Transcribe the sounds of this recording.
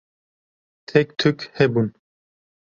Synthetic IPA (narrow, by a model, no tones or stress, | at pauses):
t̪ʰɛkt̪ʰɨkhɛbun